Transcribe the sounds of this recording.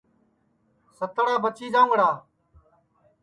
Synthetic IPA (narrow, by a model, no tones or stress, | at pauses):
sət̪əɽaːbət͡ʃiːd͡ʒãːŋɡɽaː